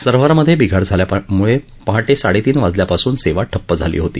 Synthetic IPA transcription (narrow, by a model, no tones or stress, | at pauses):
səɾʋəɾməd̪ʱːjebiɡʱaɽd͡zʱaljamuɭe | pəɦaʈesaɽet̪iːnʋad͡zljapasuːnseʋaʈʰəpːəd͡zʱalḭːɦot̪ḭː